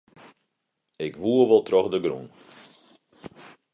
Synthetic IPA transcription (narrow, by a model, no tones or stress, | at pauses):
ɪkʋuəʋɔlˠtrɔχdəɡrɾun